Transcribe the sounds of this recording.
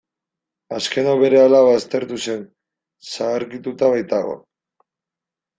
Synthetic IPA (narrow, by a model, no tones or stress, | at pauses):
aske̞no̞βe̞ɾe̞alaβast̪e̞ɾt̪use̞n | saːɾkit̪ut̪aβajt̪aɣo̞̰